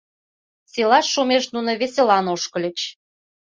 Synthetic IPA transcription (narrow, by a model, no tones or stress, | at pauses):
selɑʃːumeʃnunə̆βeselɑnoʃkə̆lʲə̆t͡ɕ